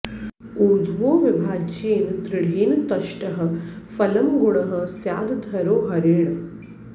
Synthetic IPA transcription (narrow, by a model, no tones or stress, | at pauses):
uːd̪ʱʋoːʋɪbʱaːd͡ʒeːnt̪ɾɪɽ̤ʱeːnt̪ɐʃʈɐɦɐ̆fɐlɐmɡʊɳɐɦɐ̆sjaːd̪d̪ʱɐɾoːɦɐɾeːɳɐ